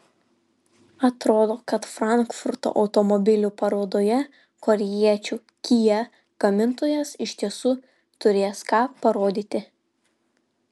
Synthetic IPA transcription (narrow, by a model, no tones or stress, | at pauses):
ɐt̪ɾoːd̪oːkɐt̪fɾɑˑŋˑkfʊɾt̪o̰ʔɐʊt̪ɔmɔbʲɪlʲupɐɾoːd̪oːjɛ | kɔɾʲɛjiɛt͡ʃʲu | kʲijɛ | ɡ̥ɐmʲɪnt̪oːjɛsɪʃʲt̪ʲiɛsuː | t̪ʊɾʲeːskɑːpɐɾoːd̪ʲiːt̪ʲɪ